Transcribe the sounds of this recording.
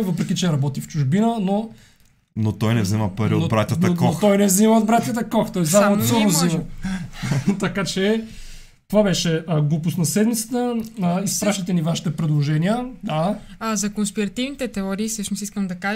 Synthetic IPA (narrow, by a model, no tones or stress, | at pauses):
vɤpɾɛkit͡ʃɛɾɐbɔt̪ift͡ʃuʒbinəno | not̪ɔjnɛvziməpɐɾioobɾat̪jɐkoxt̪ɔjnɛvziməod̪bɾat̪ʲjɐt̪əkɔxt̪ɔjzzamosɔnozimə | t̪ɐkat͡ʃɛ | t̪ovabɛʃɛəɡlˠupʊsnɐsɛd̪mit̪sə̥t̪əispɾaʃt̪t̪ɛnivaʃi̥t̪ɛpɾɛd̪lˠoʒɛnijəd̪aazɐkonspiɾɐt̪ivnit̪ɛt̪ɛɔɾiːsəʃnʊsiskəmd̪ɐkaʒ